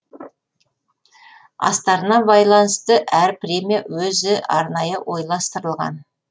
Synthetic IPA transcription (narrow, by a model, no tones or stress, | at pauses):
ɑ̰st̪ɑɾənɑbɑjlˠɑnəst̪əʔæɾpɾʲe̞mijawɵzɪʔɑɾnɑjəwo̞jlˠɑst̪əɾəlˠʁɑ̰n